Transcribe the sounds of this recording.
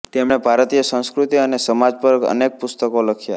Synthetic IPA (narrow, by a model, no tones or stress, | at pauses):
t̪emɳebʱaɾt̪ijəsə̃ñskɾut̪iənesəmad͡ʒpəɾə̰nek̚pʊst̪əkoləkʰja̰